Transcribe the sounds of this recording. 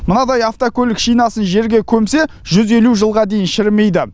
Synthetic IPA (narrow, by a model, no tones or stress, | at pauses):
mənɑd̪ɑjɑft̪okʲʰɵlɪkʃijnɑsənʒe̞ɾɡʲe̞kʲʰɵmse̞ | ʒʏze̞luʒəlˠʁɑd̪e̞jɪnʃɪɾme̞jd̪ɪ